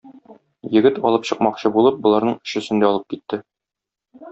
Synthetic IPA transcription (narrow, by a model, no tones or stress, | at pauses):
jɘ̆ɡɘt̪ɒlˠɤpɕɤ̆qmɑqɕɤbulˠɤp̚bŏlˠɑɾnɤɴɵ̥̆ɕɘ̆sɘ̆nd̪æɒlˠɤp̚kit̪ːɘ